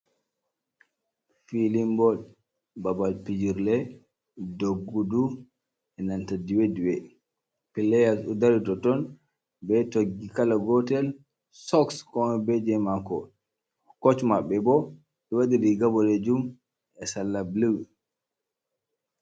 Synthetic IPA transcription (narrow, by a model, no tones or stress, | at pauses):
filimbɔd | babalpid͡ʒiɾlɛ | doɡːudu | ɛnantadiwediwɛ | pilɛjasudaɾitɔtɔn | bɛtoɡːikalaɡɔtɛl | sɔkskɔmɛbɛd͡ʒɛmakɔ | kɔt͡ʃmaɓːɛbɔ | ɛwaɗidiɡabɔled͡ʒum | ɛsalːabluw